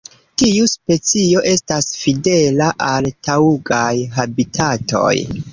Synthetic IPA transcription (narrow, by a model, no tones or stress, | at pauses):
tiuspe̞t͡sio̞ʔe̞stasfide̞laʔaltauɡajɦabitʰato̞̰j